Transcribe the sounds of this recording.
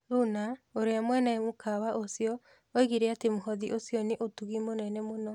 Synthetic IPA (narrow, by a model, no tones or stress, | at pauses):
ɾunaoɾeamwɛnamokʰawaʔosiɔ | oiɣiɾeatemoɦɔðiʔosjɔneʔotuɣimonɛnɛmonɔ